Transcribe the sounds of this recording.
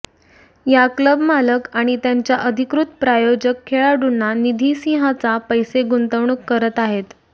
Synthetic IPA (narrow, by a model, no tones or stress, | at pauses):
jakləbmaləkaɽ̃it̪jaɲt͡ɕjaʔəd̪ʱikɾut̪̚pɾajod͡ʑəkʰːeɭaɽunːanid̪ʱisĩɦat͡sapəjseɡunt̪əʋɳəkːəɾət̪aɦet̪